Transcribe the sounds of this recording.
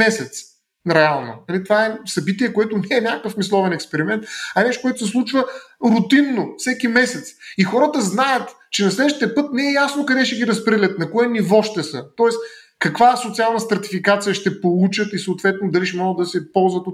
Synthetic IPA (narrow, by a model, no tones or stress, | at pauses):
ɛsɛt̪s | ɾɛalˠnonɐlit̪ovaɛsɐbit̪iɛkoɛt̪ʊnɛɛnʲakəfmislˠɔvɛnɛkspɛɾimɛnt̪ɐnɛʃt̪okoɔɛt̪oʊsɛslˠut͡ʃvəɾʊt̪inːofsɛkimɛsɛt̪sixɔɾət̪əznajət̪ | t͡ʃɛnɐslɛd̪əʃt̪iəpɤt̪nɛɛjasnokɐd̪ɛʃɛɡʲiɾɐspɾɛd̪lʲət̪̚nɐkoɛnivɔʃt̪ɛsɤt̪ɔɛs | kɐkvasot̪sialˠnəst̪ɾɐt̪ifikat̪sijəʃt̪ɛpolˠut͡ʃət̪isoːt̪vɛt̪noʊd̪ɐliʃɛmɔɡəd̪ɐsɛpɔlˠzvət̪ot̪